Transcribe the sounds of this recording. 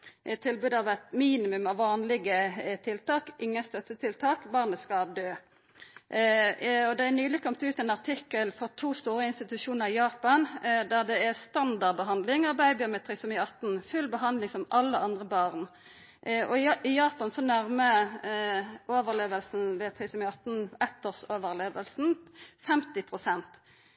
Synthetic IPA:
ʔɪt̪ʰɪlbʉːd̪ɑʋæɪt̪miːnɪmʉmɑʋːɑːnlɪɡət̪ʰɪlt̪ʰɑːkʔɪŋːəst̪œt̪ːət̪ʰɪlt̪ʰɑːkbɑʁnəskɑd̪øː | ɔd̪ɛænyːlɪkʰɔmt̪ʉːt̪ɛnɑʁt̪ʰɪkːəlfɔʁt̪ʰuːst̪uːʁəɪnst̪ɪt̪ʉʂuːnəʁɪjɑːpɑnd̪æʁd̪ɛɛst̪ɑnd̪ɑʁbəɦɑnd̪lɪŋɑbæɪbɪɑmɛt̪ʰʁɪsɔmɪɑt̪n̩fʉlbəɦɑnd̪lɪŋsɔmʔɑlːəɑnd̪ʁəbɑʁn | ʔʔɔɪɪjɑːpɑnsɔnæʁmə | ʔoːʋəʁleːʋəlsn̩ʋɛt̪ʰʁisɔmɪɑt̪n̩ɛt̪ːɔʁsoːʋəʁleːʋəlsn̩fɛmt̪ɪpʰʁʊsɛnt̪

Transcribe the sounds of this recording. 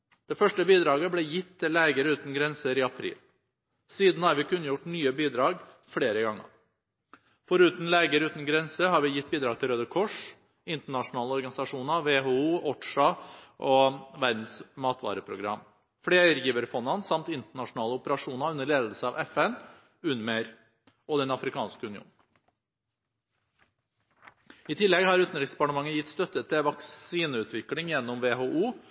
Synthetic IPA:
d̪̥ɛfœʂʈəbiːd̪ɾɑːɡəblɛjɪt̪ːɪleːɡəɾəʉːt̪n̩ɡɾɛnsəɾɪɑpʰɾḭːl | siːd̪n̩hɑɾʋɪkʰʉnːəjʊʈnyːəbiːd̪ɾɑːɡ | fɽeːɾəɡɑŋːə̰ɾ | fɔɾʉːt̪n̩leːɡəɾʉːt̪n̩ɡɾɛnsəhɑɾʋɪjɪt̪̚ːbiːd̪ɾɑːɡ̚t̪ʰɪlɾøːd̪əkʰɔʂ | ɪnt̪əɳɑʂʊnɑːləɔɾɡɑnɪsɑʂuːnəɾʋeːɦoːuːɔʈʂɑʔɔʋæɾd̪n̩smɑːt̪ʋɑ̰ːɾəpʰɾʊɡɾɑ̰m | fɽeːəɾjiːʋəɾfɔnːɑnsɑmt̪ɪnt̪əɳɑʂnɑːləɔpəɾɑʂuːnɑʉnːəɭeːd̪l̩səɑːʋʔɛfɛn | ʉnmeɾ | ɔd̪ɛnɑfɾɪkʰɑ̰ːnskəʉnɪṵːn̩ | ɪt̪ʰɪlːɛɡhɑːɾʉːt̪n̩ɾɪkspɑʈəmɑŋːəjɪt̪ːst̪œt̪ːət̪ɪʋɑksiːnəʉːt̪ʰʋɪklɪŋjɛnːɔmʋeːɦoːʔuː

